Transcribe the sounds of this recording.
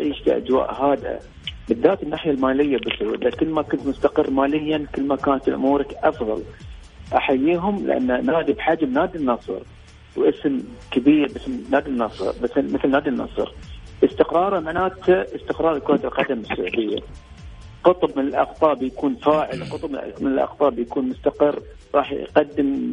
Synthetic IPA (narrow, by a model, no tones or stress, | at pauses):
ʕiːʃfḭʔa̰d͡ʒwa̰ːʔɦaːd̪ʔa̰ | bɪðːaːt̪ɪnːaːħjalmaːlɪjːabɪsʊlakɪlːmakʊnt̪mʊst̪aqɨrːmaːlɪjːankɪlːmakaːnat̪ɪlʔʊ̰muːɾakʔɑfðˤɑ̰l | ʔaħajːiːɦʊmlɪ̰ʔa̰nːanaːd̪ibħad͡ʒmnaːd̪inːɑsˤɾ | wʔɪsmkabiːɾbɪsmnaːd̪inːɑsˤɾbɪmɪθlnaːd̪inːɑ̰sˤɾʔəst̪ɪqɾˤɑːɾˤamaʕnaːt̪aʔəst̪ɪqɾˤɑːɾˤlkwaːd̪lqɑd̪amɪsːʊ̰ʕd̪ɪjːa̰ | qɨt̪ˤbmɪnɪlʔɑ̰qt̪ˤɑːbjakuːnfaːʕɪlqʊt̪ˤbmɪnɪlʔɑ̰qt̪ˤɑːbjakuːnmʊst̪aqɪrː | ɾˤɑːħqɑd̪ːɪm